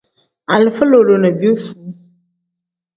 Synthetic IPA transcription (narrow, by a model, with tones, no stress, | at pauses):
a˨lɨ˨fə˦lo˨lo˨nə˨bi˦u˦su˨˦